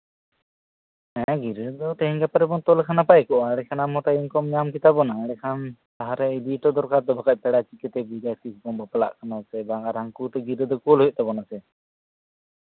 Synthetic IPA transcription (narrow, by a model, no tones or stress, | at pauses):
ɛ̃ɡiɾəd̪ɔt̪ɛɦɛŋɡapaɾɛbɔnt̪ɔlkʰanapajɛkɔʔaɽɛkʰanamɔt̪ainkɔmɲamkit̪abɔnaɽɛkʰant̪aɦaɾɛib̪iʈɔd̪ɔɾkaɾd̪ɔbakac̚pɛɽat͡ʃikɛt̪ɛbiɾasisbɔnbəpla̰ʔkʰanasɛbaɡaɾaŋkut̪ɛɡiɾəd̪ɔkulɦuj̚ˀt̪ɛbɔnasɛ